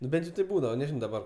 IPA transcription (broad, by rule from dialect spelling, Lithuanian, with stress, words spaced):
nʊ ˈbʲɛnʲtʲ jɛʊ tɐɪp ˈbuːdɐʋɐ nʲɛˈʒʲɪnoː dɐˈbɐr